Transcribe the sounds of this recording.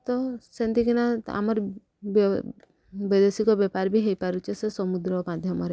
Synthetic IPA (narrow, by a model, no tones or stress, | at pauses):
t̪ɔsent̪ikinaa̰mɔɾ | b | bed̪esikɔbɔpaɾbʱiɦejpaɾut͡ʃʰesesɔmud̪ɾɔmad̪ʱjɔmɔɾe